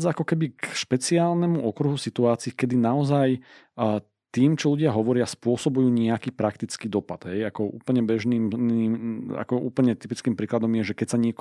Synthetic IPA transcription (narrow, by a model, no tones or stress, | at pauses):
d͡zaakɔkɛbikʃpɛt͡siaːlnɛmuʔɔkɾuɦusit̪uaːt͡siːkɛd̪inaɔzaj | t̪iːmt͡ʃɔluɟɪaɦɔʋɔɾɪaspʊɔsɔbujuːɲɛakiːpɾakt̪it͡skiːd̪ɔpad̪̥ɦɛjakɔʔṵːpl̩ɲɛbɛʒniːmnia̰kɔṵːpl̩ɲɛt̪ipit͡skiːmpɾiːklad̪ɔmjɛʒɛkɛcsaɲɪɛk